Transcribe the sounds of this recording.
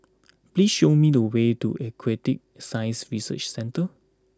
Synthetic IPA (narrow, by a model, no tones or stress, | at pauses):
plisʃomidəwetṵʔekʰɹɛtik̚sajsɹisə̰t͡ʃsɛ̃ntə